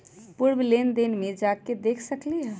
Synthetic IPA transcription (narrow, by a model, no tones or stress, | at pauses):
puɾblend̪enmẽd͡ʒaked̪ekʰsəkliɦɛ